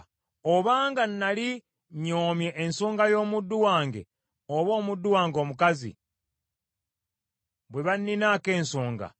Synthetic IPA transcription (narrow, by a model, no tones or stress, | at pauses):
oβaːŋɡanːali | ɲoːmje̞ʔːnsoːŋɡajo̞ːmud̪ːuwaːŋɡe̞̰ | oβo̞ːmud̪ːuwaːŋɡo̞ːmukazḭ | βwe̞βanːinaːke̞ːnsoːŋɡa̰